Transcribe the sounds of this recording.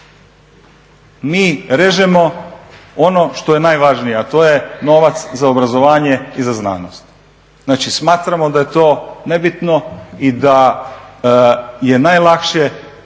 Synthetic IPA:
miːɾeʒemo̞ | o̞no̞ʃt̪o̞je̞najʋaʒnijeat̪o̞ːje̞no̞ʋat̪szaobɾazo̞ʋaːɲe̞izazna̰ːnost̪ | naːt͡ʃismaːt̪ɾamo̞d̪aje̞t̪o̞ːne̞bit̪no̞id̪a | je̞najlˠakʃe

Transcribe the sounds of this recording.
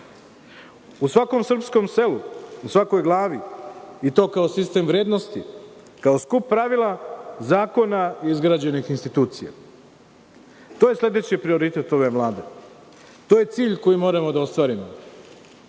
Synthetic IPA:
usʋako̞msr̩psko̞mse̞luusʋako̞jɡlˠaːʋiit̪o̞ːkao̞sist̪e̞mʋɾe̞ːd̪no̞st̪i | kao̞skupːɾaʋilˠazaːko̞naiizɡɾaːd͡ʑe̞nixinst̪it̪uːt̪sija̰ | t̪oːje̞slʲe̞d̪e̞t͡ɕipɾio̞ɾit̪et̪o̞ʋe̞ʋlˠaːd̪e̞ | t̪o̞ːje̞t̪siːʎko̞jimo̞ːɾamo̞d̪ao̞st̪ʋaːɾimo

